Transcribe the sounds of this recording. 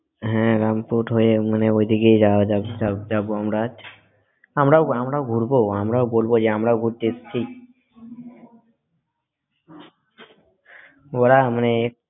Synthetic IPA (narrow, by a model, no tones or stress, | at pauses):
ɦɛ̃ɾampuʈɦoemaneojd̪ʱikejd͡ʒaod͡ʒasad͡ʒabuamɾat͡ʃʰ | amɾaoamɾaoɡʱuɾboamɾaobolbod͡ʒeamɾaoɡʱuɾt̪ett͡ʃʰi | oɾamaneek